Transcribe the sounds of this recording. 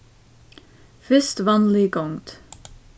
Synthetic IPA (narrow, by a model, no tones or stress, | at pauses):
fʏst̪ʋɑːnlɪɡɔŋd̪̥